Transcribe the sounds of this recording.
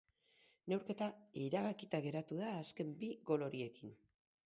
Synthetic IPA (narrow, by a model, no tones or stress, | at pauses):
ne̞wɾke̞t̪aiɾaβakit̪aɣe̞ɾat̪uð̞aːske̞mbiɣo̞lo̞ɾie̞kin